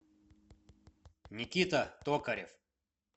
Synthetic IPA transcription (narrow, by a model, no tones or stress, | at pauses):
nʲɪkʲit̪ɐt̪okɐɾʲɪ̰f